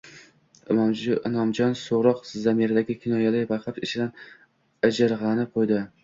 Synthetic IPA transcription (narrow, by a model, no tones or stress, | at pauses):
mɒmd͡ʒnɒmd͡ʒɒnsoɾɒqzamiɾad̪aɡʲɪkʲʰɪnɒjalɪjbaqʰapɪt͡ʃʰɪd̪an | ad͡ʒɪɾʁɑnɪqʰojd̪ɪ